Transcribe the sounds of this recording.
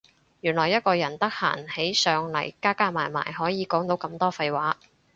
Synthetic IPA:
jyː˨˩nlɔː˨˩jɐ˥t̚kɔː˧jɐ˨˩nt̪ɐ˥k̚ha̰ː˨˩nhe˨˥jsœː˨ŋlɐ̰˨˩jkaː˥kaː˥maː˨˩jma̰ː˨˩jɦɔː˨˥jiː˨˧kɔː˨˥ŋt̪o˨˥wkɐ˧mt̪ɔː˥fɐ˧jwaː˨˥

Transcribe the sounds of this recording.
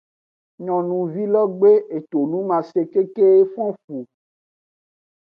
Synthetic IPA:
ɲɔ̃˨nũ˨vi˦lɔ˦ɡ͡be˦e˨t̪o˨nũ˦mã˨se˨ke˦ke˦e˦fɔ̃˦fu˨

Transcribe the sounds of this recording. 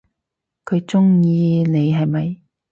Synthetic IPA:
kʰɵ˨˧ɥt͡sʊ˥ŋjiː˧ne˨˧jɦɐ˨jmɐ˨j

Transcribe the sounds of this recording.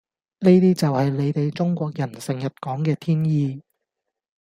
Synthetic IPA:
ne˥jt̪iː˥t͡sɐ˨whɐ˨jle˨˧jt̪e˨jt͡ʃʊ˥ŋkʷɔː˧k̚jɐ˨˩nsɪ˨˩ŋjɐ˨t̚kɔː˨˥ŋkɛː˧t̪ʰiː˥njiː˧

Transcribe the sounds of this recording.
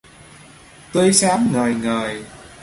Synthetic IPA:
t̪ə˧jsaː˨˦mŋəː˨˩jŋəː˨˩j

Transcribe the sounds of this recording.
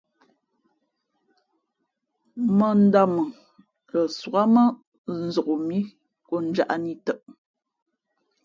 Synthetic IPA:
mə˨n̩˨˦da˦˨mə˨ | lə˨swa˦mə˦ | n̩˨zo˨ʔo˨mi˦ | ko˦n̩˦d͡ʒa˦ʔa˦ni˦tə˨ʔ

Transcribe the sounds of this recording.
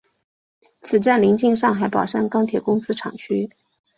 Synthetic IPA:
t͡sʰɹ̩˨˩ʈ͡ʂa˥˩nli˧˥ŋt͡ɕi˥˧ŋʂɑ˥˩ŋxa˧˥ɪpɑ˨˩ʊʂa˥˩ŋkɑ˥ŋt̪ʰjɛ˨˩kʊ˥ŋsɹ̩˥ʈ͡ʂʰɑ̰˨˩ŋt͡ɕʰy˥

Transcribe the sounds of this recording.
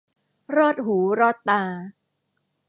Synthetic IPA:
ɾɔː˥˩t̪̚ɦuː˩˦ɾɔː˥˩t̪ːaː˧

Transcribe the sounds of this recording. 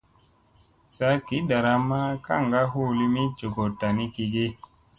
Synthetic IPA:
sa˦ki˨˦da˨ɾa˦ma˦ka̰˦˨ŋɡa˦ɦo˦˨li˦mi˦d͡ʒo˨ɡo˨ta˨ni˦ki˧ɡe˦

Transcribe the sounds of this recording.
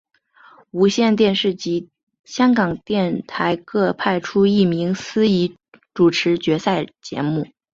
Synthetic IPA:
u˧˥ɕjɛ˥˧nt̪̬jɛ˥˧nʂɻ̩˥˩t͡ɕi˧˥ | ɕjɑ˥ŋkɑ˨˩ŋt̪jɛ˥˩nt̪ʰa˧˥ɪkʰɤ˥˧pʰa˥˩ɪʈ͡ʂʰu˥i˥˩mi˧˥ŋsɹ̩˥i˧˥ | ʈ͡ʂu˨˩ʈ͡ʂʰɻ̩˧˥t͡ɕɥɛ˧˥sa˥˩ɪt͡ɕjɛ̰˧˥mu˥˩

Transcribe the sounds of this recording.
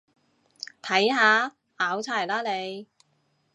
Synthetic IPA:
t̪ʰɐ˨˥jɦaː˨˧ | ʔaː˨˥wt͡sʰaː˧˩jlaː˥le˨˧j

